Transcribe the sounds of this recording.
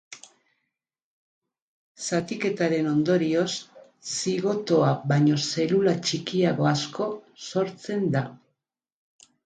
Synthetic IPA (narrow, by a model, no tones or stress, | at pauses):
sat̪ike̞t̪aɾe̞no̞nd̪o̞ɾio̞sː | iɣo̞t̪o̞aβaɲo̞se̞lulat͡ʃikiaɣo̞asko̞so̞ɾt͡se̞nd̪a